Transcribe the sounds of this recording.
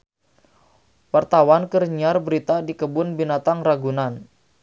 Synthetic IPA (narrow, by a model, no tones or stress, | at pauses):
wart̪awankərɲiarbəɾit̪adikəbʊnbinat̪aŋraɡunan